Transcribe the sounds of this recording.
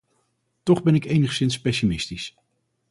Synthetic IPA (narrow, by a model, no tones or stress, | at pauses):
tɔχbɛnɪkejnəχsɪnspejʃimɪstis